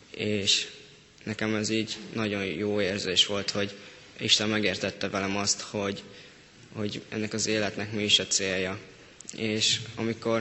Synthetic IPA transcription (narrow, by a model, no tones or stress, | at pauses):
eːʃ | nɛkɛmɛziːɟnɒɟo̞njoːeːrzeːʃʋo̞lt̪ho̞ɟ | iʃt̪ɛmːɛɡeːrt̪ɛt̪ːɛvɛlɛmɒst̪ho̞ɟ | ho̞ɟɛ̰nːɛkɒzeːlɛt̪nɛkmiːiʃɒt̪seːjjːɒ | eːʃɒ̰miko̞r